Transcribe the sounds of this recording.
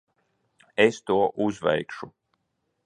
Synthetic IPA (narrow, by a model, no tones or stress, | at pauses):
est̪uɔʔuzvɛ̰jkʃu